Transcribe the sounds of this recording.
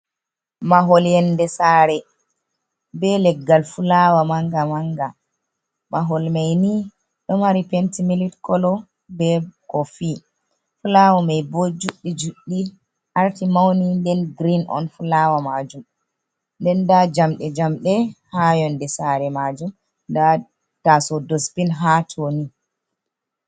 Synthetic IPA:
maɦɔljɛndɛsaɾɛ | bɛlɛɡːalfulawamaŋɡamaŋɡa | maɦɔlmajni | ɗɔmaɾipɛntimilitkɔlɔ | bɛkɔfi | fulawamɛjbod͡ʒuɗːid͡ʒuɗːi | ʔaɾtimawnindɛnɡɾinʔɔ̰nfulawamad͡ʒum | ndɛndad͡ʒamɗɛd͡ʒamɗɛhajɔndɛsaɾɛmad͡ʒum | da | tasɔdɔspinɦatʰoni

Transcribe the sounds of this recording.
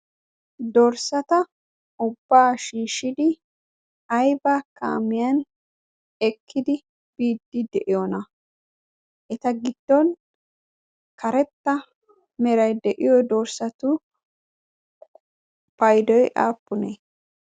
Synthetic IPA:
d̪ɔɾsɐt̪ɐ | ʊbːaːʃiːʃɪd̪ɪ | ɐjbaːka̰ːmɪjɐn | ɛkʰːɪd̪ɪ | b̥iːd̪ːɪd̪ɛʔɪjɔnɐ | ʔɛt̪ɐɡɪd̪̥ːɔn | kɐɾɛt̪ːɐ | mɛɾɐjd̪ɛʔɪjɔd̪ɔɾsɐt̪ʊ | pɐjd̪ɔjʔa̰ːpːʊneː

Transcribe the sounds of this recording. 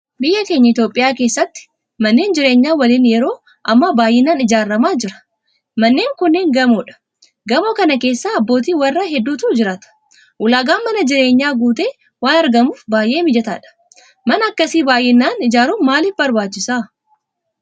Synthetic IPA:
bɪjːɐke̞ːɲːɐɪt̪jo̞ːpʼɪjaːke̞ːsːɐt̪ːɪ̥ | mɐnːe̞ːnd͡ʒɪɾe̞ːɲːaːwɐliːnjɛɾo̞ː | ʔɐmːɐbaːjːɪnːaːnɪd͡ʒaːrːɐmaːd͡ʒɪɾɐ̥ | mɐnːe̞ːŋkʊnːeːŋɡɐmoːᶑɐ̥ | ɡɐmoːkɐnɐke̞ːsːaːɐbːo̞ːt̪̬iːwɐrːaɦɛd̪ːuːt̪ud͡ʒɪɾaːt̪ɐ̥ | ʔʊlaːɡaːnmɐnɐd͡ʒɪɾe̞ːɲːaːɡuːt̪e̞ː | waːnɐɾɡɐmuːfbaːjʔe̞ːmɪd͡ʒɛt̪a̰ːᶑɐ̥ | mɐnɐːkːɐsiːbaːjʔɪnːaːnɪd͡ʒaːɾuːmaːlɪfbɐɾbaːt͡ʃːɪsaː

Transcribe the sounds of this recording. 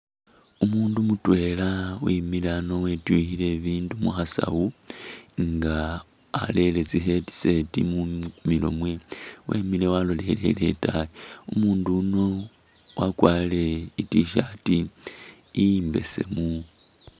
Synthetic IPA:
umuːndumutwe̞lawimilano̞wetwihile̞βiːndumṵxasa̰wu | ŋɡa̰ː | le̞le̞t͡siɦe̞ti̥se̞tḭmumilo̞̰mwewḛmile̞walole̞le̞̰le̞̰taiumuːnduno̞ | wakwaːle̞itiʃatiː | mbe̞̰se̞̰mu

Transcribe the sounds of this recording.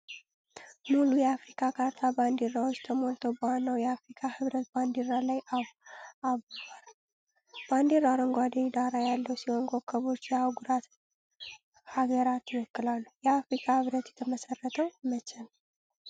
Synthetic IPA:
mulujɛafɾikʰakʰaɾt̪ʰaband̪eɾawot͡ʃːt̪ʰəmo̞lt̪ʰowbəanːəwjɛafɾikʰahɨβɾət̪̚band̪eɾalajaaβbal | b̥and̪eɾaɾəŋɡʷad̪ed̪aɾajalːəwsihoŋɡo̞kʰːəβo̞t͡ʃːjɛawɡuɾat̪ | haɡəɾat̪jɛwɔkːɨlalːujɛafɾikʰahɨβɾət̪jɛt̪ʰəməsərːət̪ʰəwmət͡ʃɛn

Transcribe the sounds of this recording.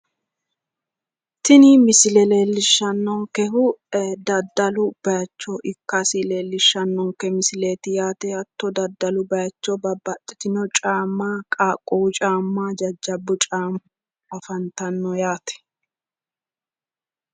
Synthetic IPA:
t̪ɪnɪmɪsɪlɛle̞ːlːɪʃːɐnːɔŋkɛɦʊd̪ɐd̪ːɐlʊb̥ɐjɐt͡ʃːɔʔɪkːasɪleːlːɪʃːɐnːɔŋkɛmɪsɪleːt̪ɪjaːt̪ɛɐt̪ːɔd̪ɐd̪ːɐlʊbɐjɐt͡ʃːɔbɐbɐt̪ʼːɪ̥t̪ɪnɔt͡ʃʼaːmːaːkʼaːkʼːɔwʊt͡ʃʼaːmːaːd͡ʒɐd͡ʒːɐbːʊt͡ʃʼaːm | ɐfɐnt̪ɐnːɔjaːt̪ɛ̥

